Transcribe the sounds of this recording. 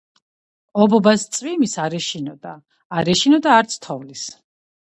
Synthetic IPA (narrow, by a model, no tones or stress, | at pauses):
ɔbɔbast̪sʼvimisaɾɛʃinɔd̪aː | ɾɛʃinɔd̪aːɾt̪sʰt̪ʰɔvlis